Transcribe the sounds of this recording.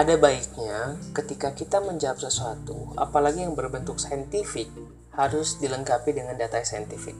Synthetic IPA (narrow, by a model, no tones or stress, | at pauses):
ʔadabaik̚ɲakət̪ikakit̪aməɲd͡ʒap̚səsuat̪ua̰palaɡijaŋbərbənt̪ʊk̚sajənt̪ifɪk̚ | haɾʊsdiləŋkapidəŋandat̪aisajənt̪ifɪ̰k̚